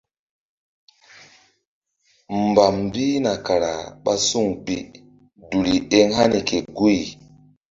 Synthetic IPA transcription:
mm̩˨ba˨mbi˦na˨ka˨ɾa̰˨ɓa˦su˦˨ŋpi˨ | du˨li˨e˦ŋɦa˦ni˨ke˨ɡu˦i˨

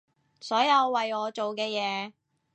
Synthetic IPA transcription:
sɔː˨˥jɐ˨˧wːɐ˨jɔː˨˧t͡ʃo˨wkɛː˧jɛː˨˧

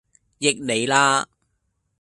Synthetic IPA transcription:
jɪ˨k̚ne˨˧jlaː˧˥

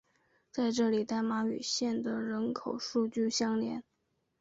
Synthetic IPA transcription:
t͡sa˥˧ɪʈ͡ʂɤ˥˩li˨˩t̪a˥˩ɪma˧˥y̰˨˩ɕjɛ˥˩nd̪ə˩ɻə˧˥nkʰo˨˩ʊʂu˥˧t͡ɕy˥˩ɕjɑ˥ŋljɛ˧˥n

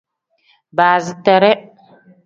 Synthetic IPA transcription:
baː˨zi˨ta˨ɾe˦

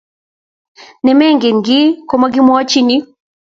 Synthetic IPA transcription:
nɛ˨mɛ˦˨ŋɡɛ˨ŋ˨ɡi˦kɔ˨ma˦ɡi˦mwa˦t͡ʃi˦ni˦

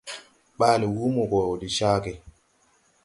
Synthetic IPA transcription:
ɓaː˦li˨wu˦mu˨kɔ˨o˨di˨ʃaː˦kɛ˨

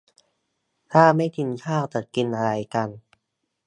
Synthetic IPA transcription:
t̪ʰaː˥˩ma˥˩jt̪ʰi˧nkʰaː˥˩wt̪a˨˩t̪̚ki˧nʔa˧ɾa˧jka˧n

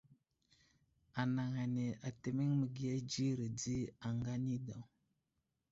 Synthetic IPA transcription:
a˨na˨ŋa˨ne˨a˨te˦mi˦ŋmə˨ɡi˦a˦d͡ʒi˦ɾə˨di˦a˨ŋɡa˦ni˦da˨w

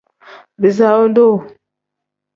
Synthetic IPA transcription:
bi˨za˦wo˦n˦do˦˨

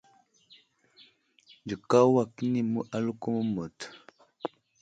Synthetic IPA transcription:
d͡ʒi˨ka˦wa˦˨ki˦ni˦mu˦ʔa˦lu˦ko˦mo˦mo˨t

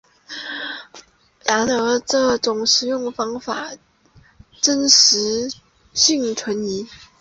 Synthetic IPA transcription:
la˧˥nɤ˧˥ʈ͡ʂɤ˥˩ʈ͡ʂʊ˨˩ŋʂɻ̩˨˩jʊ˥˩ŋfɑ˥ŋfa˨˩ | ʈ͡ʂə˥nʂɻ̩˧˥ | ɕi˥˩ŋʈ͡ʂʰwə˧˥ni˧˥

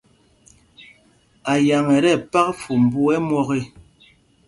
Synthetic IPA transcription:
a˨ja˨ŋɛ˨ɾɛ˦˨pa˦k̚fu˨m̩˨bu˦ɛ˦mwɔ˦ɣe˦˨

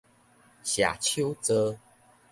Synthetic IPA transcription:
ɕja̰˨˩t͡ɕʰjo˦wt͡sə˦

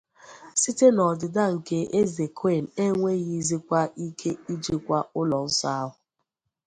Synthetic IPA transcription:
si˦te˦nɔ˨dɪ˨da˦ŋ̩˨ke˦ʔe˦ze˨kʰe˦˨n̩˨e˦ŋʷe˦ɣi˦zi˦kʷa˦i˦kʰe˦i˦d͡ʒi˦kʷa˦ʊ˦lɔ˨n̩˦sa˦a˦ɦʊ˨

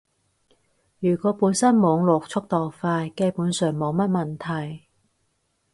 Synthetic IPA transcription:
jyː˨˩kɔː˨˥puː˨˥nsɐ˥nmɔː˨˧ŋlɔː˨k̚t͡sʰʊ˥k̚t̪ɔː˨˩wfaː˧jke˧puː˨˥nsœː˨˩ŋmo˨˧wmɐ˥t̚mɐ˨nt̪ʰɐ˨˩j

